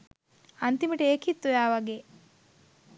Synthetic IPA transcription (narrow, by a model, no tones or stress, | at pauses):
ɐnt̪iməʈeːkit̪ːujaːʋɐɡeː